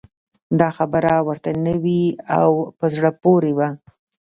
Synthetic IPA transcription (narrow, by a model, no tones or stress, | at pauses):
d̪ɑxabəɾawəɾt̪anəwia̰wpəzɽəpoɾewa